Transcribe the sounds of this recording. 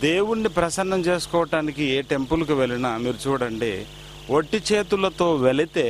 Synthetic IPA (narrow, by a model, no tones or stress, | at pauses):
d̪e̞ːwuɳːipɾɐsɐnːɐmt͡ʃe̞ːsu̥kɔːʋɐʈaːnikieːʈe̞mpulɐkuʋeɭinɐmiːɾut͡ʃuːɽɐɳɖiː | ʋoʈːit͡ʃe̞ːt̪ulɐt̪o̞ːʋeɭit̪e̞ː